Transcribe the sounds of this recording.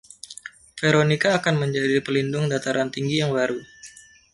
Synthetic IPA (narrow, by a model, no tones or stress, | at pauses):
feɾonikaːkanməɲd͡ʒadipəlindʊŋdat̪aɾant̪iŋɡijaŋbaɾu